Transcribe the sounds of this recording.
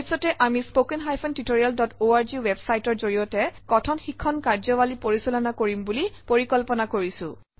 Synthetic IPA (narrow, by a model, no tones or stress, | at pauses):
sɔtɛʔamispokɛnɦajpʰɔntitoɹijaldɔtoaɹziwebsajtɔɹzoɹijɔtɛkɔtʰɔnxikʰːɔnkaɹzɔwalipoɹisulɔnakoɹimbulipoɹikɔlpɔnakoɹisʊ̰̃